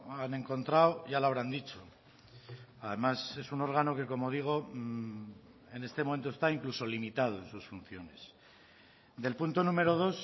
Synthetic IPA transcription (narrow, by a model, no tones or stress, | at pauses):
ane̞ŋko̞nt̪ɾawʝaloaβ̞ɾand̪it͡ʃo̞ | aðe̞mase̞suno̞ɾɣ̞ano̞ke̞ko̞mo̞ð̞iɣ̞o̞ | e̞ne̞st̪emome̞nt̪ost̪aiŋkluso̞limit̪að̞o̞ẽ̞nsusfun̟θjo̞ne̞s | d̪e̞lpunt̪o̞nũme̞ɾo̞ð̞o̞s